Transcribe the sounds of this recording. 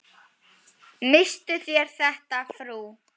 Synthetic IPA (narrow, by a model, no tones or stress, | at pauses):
mɪst̪ʏθjɛɾ̥θɛht̪afɾuː